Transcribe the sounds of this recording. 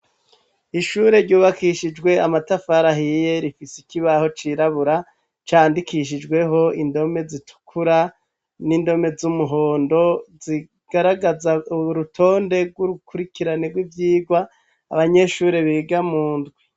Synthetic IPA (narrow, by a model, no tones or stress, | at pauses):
iʃuːɾe̞ɾɟuːβakʰiʃid͡ʒɡwe̞amatafaɾaɦije̞ɾifisikiβaho̞t͡ʃiɾaβuɾa | t͡ʃaːndikiʃ̬id͡ʒɡwe̞ɦo̞indo̞me̞zitu̥kʰuɾa | nindo̞me̞zumuɦo̞ːndo̞zi | ɡ̥aɾaɡazauɾutʰo̞ːnde̞ɾɡwuɾukuɾikiɾaneɡwivjiːɡwaː | βaɲe̞ʃuːɾe̞βiɡamuːndɡwe